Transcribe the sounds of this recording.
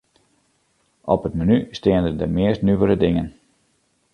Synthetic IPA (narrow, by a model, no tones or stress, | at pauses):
ʔɔpətmənystɪəndəndəmɪəstnyʋəɾədɪŋən